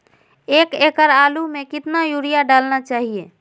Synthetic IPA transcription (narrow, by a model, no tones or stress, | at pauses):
ekekəɾalumekɪt̪najuɾijaɖalnat͡ʃaɦie